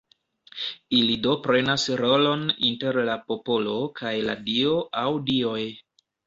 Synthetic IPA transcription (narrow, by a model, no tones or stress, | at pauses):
ilido̞pɾe̞nasɾo̞lo̞nḭnte̞ɾlapo̞po̞lo̞kʰajla̰dio̞ʔawdio̞j